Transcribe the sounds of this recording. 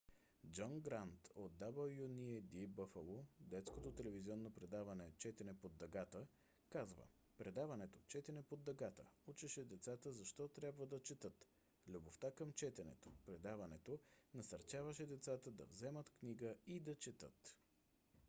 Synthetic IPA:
d͡ʒɔnɡɾant̪od̪̚dːabəlˠjuniɛd̪ibəfəlˠod̪ɛt̪skot̪ot̪ɛlɛviziɔnːopɾɛd̪avɐnɛt͡ʃɛt̪ɛnɛpod̪ːɐɡat̪ə | kazvə̰ | pɾɛd̪avɐnɛt̪ot͡ʃɛt̪ɛnɛpod̪ːɐɡat̪ə̰ut͡ʃɛʃɛd̪ɛt̪sat̪əzɐʃt̪ɔt̪ɾʲjabvəd̪ɐt͡ʃɛt̪ɤt̪ | lʲuboft̪akəmt͡ʃɛt̪ɛnɛ̰t̪o̥pɾɛd̪avɐnɛt̪onɐsɐɾt͡ʃavəʃɛd̪ɛt̪sat̪əd̪ɐ̰vzɛmət̪kniɡəid̪ɐt͡ʃɛt̪ət̪

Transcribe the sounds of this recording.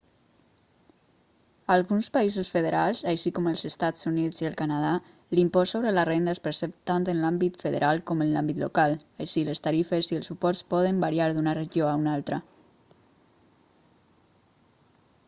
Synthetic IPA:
alˠɣunspaizusfəð̞əɾalˠzaʃikɔməlˠzəst̪az̥uniziəlˠkanað̞a | limpɔsoβɾələrend̪əespəɾsɛpt̪ant̪ənlambit̪fəðə̰ɾʔalˠkɔmənlambit̪lokalˠəʃiləst̪aɾifəziəlˠsːupɔɾspɔð̞əmbaɾiaɾðunərəʒioaunalˠt̪ɾə

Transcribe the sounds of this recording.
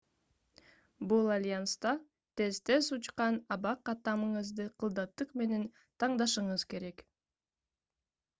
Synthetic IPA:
bulˠalʲjanst̪ɑ | t̪e̞zt̪e̞sut͡ʃqɑnɑβɑqːɑt̪ɑmɯɴɯzd̪ɯqʰɯlˠd̪ɑt̪ːɯqme̞ne̞n | t̪ʰɑɴd̪ɑʃɯɴɯz̥ke̞ɾe̞k

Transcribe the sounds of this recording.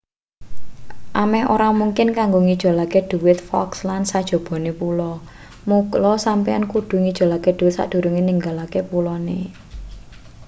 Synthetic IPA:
ʔamɛhʔoɾamuŋkɪnkaŋɡoŋid̥ʒ̥ɔ̤laked̪̥ṳwɪt̪̚fɔ̰kslansad̥ʒ̥o̤b̥ɔ̤nepulɔ | muklɔsampiankud̪̥ṳŋid̥ʒ̥o̤laked̪̥uɪt̪sa̰d̪̥ṳɾuŋiniŋɡalakepulɔnḛ

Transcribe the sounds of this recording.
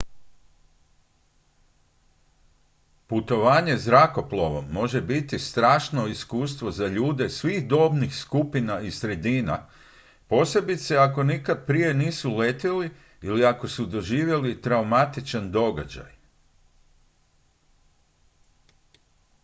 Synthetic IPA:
put̪o̞ʋaːɲe̞zɾako̞ploʋo̞mːo̞ʒe̞bit̪ist̪ɾaːʃno̞iskuːs̬t̪ʋo̞zaʎuːd̪e̞sʋiːɣd̪o̞ːbnixskupinaisɾe̞d̪iːna̰ | po̞ːse̞bit̪seako̞nikad̪̚pɾije̞niːsulet̪ili | iliako̞sud̪o̞ʒiːʋje̞lit̪ɾaumat̪it͡ʃand̪o̞ɡa̰d͡ʑa̰j

